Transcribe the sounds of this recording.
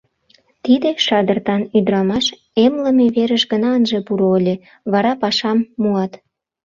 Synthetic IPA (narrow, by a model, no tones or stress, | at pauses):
t̪id̪eʃɑd̪ərt̪ɑnyd̪ɾɑmɑʃ | emləmeβeɾəʃɡənɑənʒepuɾoəlʲe | βɑɾɑpɑʃɑmːuɑt̪